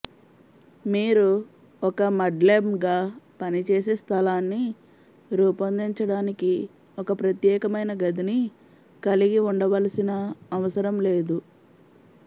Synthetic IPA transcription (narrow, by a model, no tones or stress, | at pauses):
miːɾu | ɔkɐmɐɖleːmɡaːpɐnit͡ʃeːseːst̪ʰɐlaːnːi | ɾuːpɐnd̪iɲt͡ʃɐɽaːniki | ɔkɐpɾɐt̪jɛːkɐmɐjnɐɡɐd̪ini | kɐliɡiuɳɖɐʋɐlɐsinɐːʋɐsɐɾɐmle̞ːd̪u